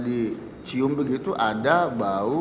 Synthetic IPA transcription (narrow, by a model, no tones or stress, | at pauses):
le | tʰiobeɡetuʔadaɡ͡bao